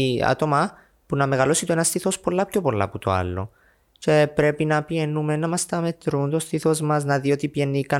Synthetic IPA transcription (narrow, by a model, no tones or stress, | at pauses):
ɐ̰t̪omɐ | punɐme̞ɣɐlo̞sit̪oenɐst̪iθo̞spo̞lːɐpço̞po̞lːɐ̰put̪o̰ɐ̰lːo̞̰ | ce̞pɾe̞pinɐpie̞nːumenɐmɐst̪ɐme̞t̪ɾunt̪o̞st̪iθo̞zmɐznɐðio̞t̪ipienːikɐ